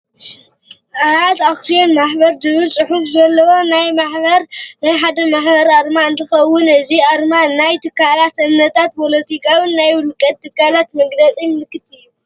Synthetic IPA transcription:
ʔaazaksionmaħbɐɾd̪ɨβɨlsʼɨħufzɐlːɐwo̞najmaħbɐɾnajħad̪ɐmaħbɐɾaɾmaɨnt̪ʰɐxɐwːʊnɨziaɾmanajt̪ʰɨkːalat̪ɨmnɐt̪ʰat̪̚pʰo̞lɐt̪ʰikʰawɨnːajwʊlkʼɐt̪ʰːɨkːalat̪mɐɡlɐt͡sʼinlɨkːɨt̪ɨjːu

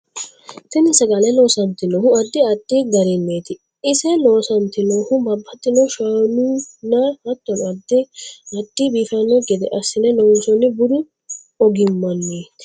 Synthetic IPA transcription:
t̪ɪnɪsɐɡalɐno̞ːsɐnt̪ɪnoːhʊɐd̪ːɪɐt̪ːiːɡɐɾɪnːeːt̪ɪ | ɪsɛnoːsɐnt̪ɪnoːhʊbɐbːɐt̪ːɪnɔːʃɐnunaɐt̪ːɔnʊɐd̪ːɪɐt̪ːiːbiːfɐnːɔɡɛd̪ɛ̰ʔɐsːɪnɛnɔwusɔnːɪbʊɾʊ | ɔɡɪmːɐnːeːt̪ɪ̥

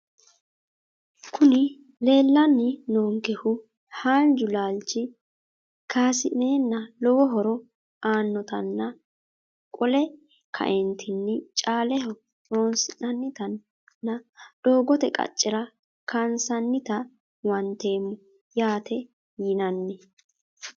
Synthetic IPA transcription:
kʰʊnɪ | le̞ːlːɐnːɪnoːŋkɛhʊ | haːnd͡ʒʊlaːlt͡ʃːɪ | kʰaːsɪneːnːɐlɔwɔɦɔɾɔ | aːnːɔt̪ɐnːɐ | kʼɔlɛ | kʰɐ̰ʔɛnt̪ʰɪnːɪt͡ʃʼaːlɛhɔ | ɗoːnsɪnɐnːɪt̪ɐnː | ɐɗ̥oːɡɔt̪ɛkʼɐ̰t͡ʃʼːɪɾɐ | kʰɐnsɐnːɪt̪ɐ | wɐnt̪e̞ːmːʊ | jaːt̪ɛ | jɪnɐnːɛ

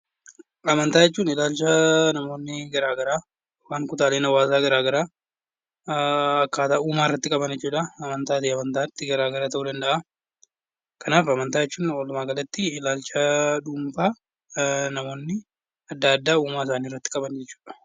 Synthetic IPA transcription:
ɐmɐnt̪aːjɛt͡ʃːuːnɪlaːlt͡ʃːɐnɐmo̞ːnːɪɡɐɾaːɡɐɾaː | waːŋkʊt̪aːleːnɐwaːzaːɡɐɾaːɡɐɾaː | ɐkːaːt̪ɐuːmaːɪrːɐt̪ːɪkʼɐbɐnd͡ʒɛt͡ʃːuːᶑɐɐmɐnt̪aːt̪iɐmɐnt̪aːt̪ːɪɡɐɾaːɡɐɾaːt̪ɐʔuːd̪ɐnd̪ɐʔa | kʰɐnaːfɐmɐnt̪aːjɛt͡ʃːuːnolʊmaːɡɐlɐt̪ːɪɪlaːlt͡ʃɐᶑʊmbaː | nɐmo̞ːnːɪ | ɐd̪ːaːd̪ːaːuːmaːɪs̬aːniːɪrːɐt̪ːɪkʼɐbɐnd͡ʒɛt͡ʃːu̥ːᶑɐ̥

